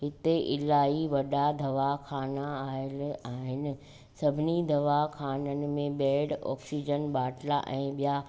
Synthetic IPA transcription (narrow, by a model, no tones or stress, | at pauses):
ɦɪt̪eʔɪlaːiʋɐɗad̪ʱɐʋaxʰaːnaaːɪlaːɦɪnɪ̆ | sɐbʱɪnid̪ʱɐʋakʰaːnənɪ̆mẽɓɛːɽɔ̰ːksid͡ʑənɓaːʈla̰ʔɛ̃ːɓija